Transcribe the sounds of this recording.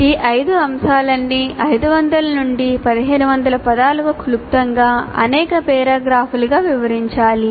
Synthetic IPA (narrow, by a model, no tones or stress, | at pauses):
iʔɐjd̪uɐmʃaːlɐnːiʔɐjd̪uʋɐnd̪ɐlɐnuɳɖipɐd̪iɦeːnuʋɐnd̪ɐlɐpɐd̪aːluʋɐkʰulup̚t̪ɐŋɡaːɐ̰nɛːkɐpɛːɾaːɡɾaːpʰuluɡaːʋiʋɐɾiɲt͡ʃaːli